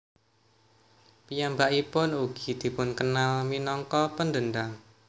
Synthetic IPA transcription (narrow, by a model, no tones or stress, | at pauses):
pijambaʔipʊnuɡ̥i̤d̪̥i̤pʊnkənalminɔŋkɔpənd̪ənd̪aŋ